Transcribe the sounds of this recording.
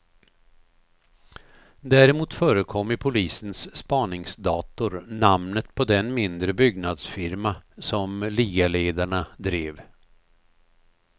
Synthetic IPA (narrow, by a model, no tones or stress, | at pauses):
d̪æːɾɪmuːt̪fœːɾəkʰɔmːɪpʰʊliːsənsːpɑːɳɪŋsd̪ɑːt̪ʊɾnamnət̪pʰɔd̪ɛnmɪnd̪ɾəbʏɡnad̪sfɪɾmasɔmliːɡaleːd̪aɳad̪ɾeːv